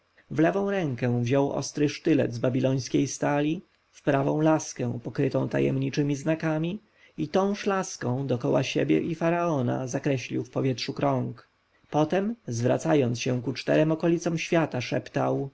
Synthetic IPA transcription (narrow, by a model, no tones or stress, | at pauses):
vlɛvɔ̃w̃ɾɛŋkɛ̃vʑɔwʔɔ̰st̪ɾɘʂt̪ɘlɛ̰d̪zbabʲilɔj̃skʲejst̪alʲi | fpɾavɔ̰̃w̃laskɛ̃pɔkɾɘt̪ɔ̃w̃t̪a̰jɛ̰mɲit͡ʂɘmʲiznakamʲi | it̪ɔ̃w̃ʂlaskɔ̃w̃d̪ɔkɔwa̰ɕebʲjɛ̰ʔifaɾaɔna̰zakɾɛɕlʲḭwfpɔvʲjɛtʂukɾɔŋk | pɔt̪ɛmzvɾa̰t̪sajɔnt̪sɕɛ̃kut͡ʂt̪ɛɾɛmɔkɔlʲit̪sɔmɕfʲjat̪aʂɛpt̪a̰w